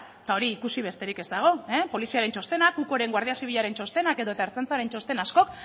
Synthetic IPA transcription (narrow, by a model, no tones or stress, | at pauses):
t̪ao̞ɾiːkusiβ̞est̪e̞ɾike̞zd̪aɣ̞o̞epo̞lisiaɾe̞nt͡ʃo̞st̪e̞nakuko̞ɾe̞ŋɡwaɾðiasiβiʎaɾe̞nt͡ʃo̞st̪e̞nake̞ðo̞et̪aeɾt͡sent͡saɾe̞nt͡ʃo̞st̪e̞nasko̞k